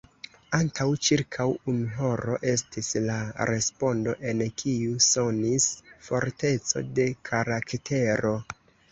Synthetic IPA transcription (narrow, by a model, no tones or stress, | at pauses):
antʰawt͡ʃiɾkʰawunɦo̞ɾo̞̰ʔe̞stislaɾe̞spo̞ndo̞̰ʔe̞nkʰiusonisfo̞ɾte̞t͡so̞̰de̞kʰaɾaktʰe̞ɾo̞